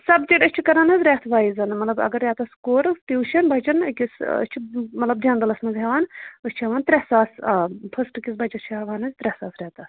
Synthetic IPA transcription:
sɐbt͡ʃiʈɐt͡ʃʰikɐɾaːnɐzʲɾʲɛt̪ʰʋaːizɐnmɐt̪lɐbɐ̰ɡɐɾːʲɛːt̪ɐskoːɾɨt̪iuʃɐnbɐt͡ʃɐnkʲisə̰t͡ʃʰimɐt̪lɐb̚d͡ʒ̪ʲãːnd̪ɐlɐsmɐzɦʲɛʋaːnɨsʲt͡ʃʰeʋaːnt̪ɾʲɛhsaːsapʰɐsʈkʲis̬bʱɐt͡ʃɐst͡ʃʰaʋaːnɐzʲt̪ɾʲɛhsaːsɾʲɛːt̪ɐs

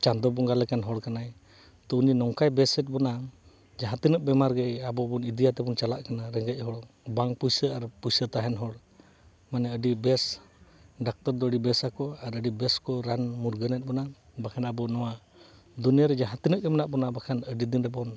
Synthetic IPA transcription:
t͡ʃand̪ɔbɔŋɡalɛkanɦɔɽkanaj | t̪ɔuninɔŋkajbɛsɛt̪̚ˀbɔna | d͡ʒaɦat̪inəʔ̚bɛmaɾɡɛjabɔbɔnid̪ijat̪ɛbɔnt͡ʃalaʔkanaɾɛŋɡɛc̚ˀɦɔɽ | baŋpujsəaɾpujsət̪aɦɛnɦɔɽ | manɛəɖibɛs | ɖak̚t̪ɔɾd̪ɔəɽibɛsakɔaɾəɖibɛskɔɾanmuɾɡənɛt̪̚ˀbɔna | bakʰanabɔnɔwa | d̪unijaɾɛd͡ʒaɦat̪inəʔ̚ɡɛmɛnaʔbɔnabakʰanəɖid̪inɾɛbɔn

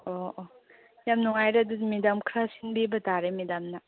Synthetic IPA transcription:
o | jamnuŋajɾadumidamkʰɾasinbibɐtaɾemidamnɐ

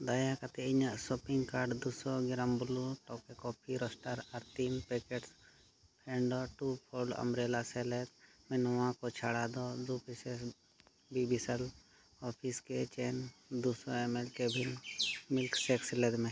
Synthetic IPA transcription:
d̪ajakat̪ɛiɲaʔsɔpiŋɡkaɾɖd̪usɔɡiɾambuluʈɔkɛkɔpʰiɾɔsʈaɾaɾt̪inpɛkɛʈs | pʰɛɳɖɔʈupʰɔɖa̰mɾelasɛlɛt̪̚mɛnɔwãkɔt͡ʃʰaɽad̪ɔd̪upʰisɛs | bibʱisəl | ɔpʰiskɛt͡ʃɛnd̪usɔɛmɛlkɛbʱinmilksɛksɛlɛd̪mɛ̃

